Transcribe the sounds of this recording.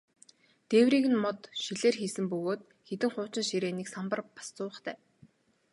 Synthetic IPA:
t̪eːwriːɣɘ̆nmɔt̪ʃiɮeːrxiːsɘ̆mpɵɣoːt̪ | xet̪ɘ̆ŋχʊːt͡ɕɪ̆nʃiɾeːniksampə̆rpḁst͡sʊːə̆χt̪ʰæː

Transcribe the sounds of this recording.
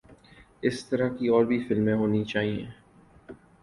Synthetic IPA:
ɪst̪ɐɾakiɔːɾbʱifɪlmẽɦoːnit͡ʃaːɦiẽː

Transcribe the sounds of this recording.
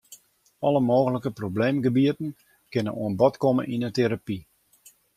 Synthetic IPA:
ɔləmoːɣələkəprobleːmɡəbiətən̩ | kɪnə̰nṵənbɔtkomə̰nʔinəteɾapi

